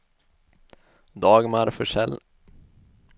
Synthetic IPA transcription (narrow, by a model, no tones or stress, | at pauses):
d̪ɑːɡmaɾfœʂɛl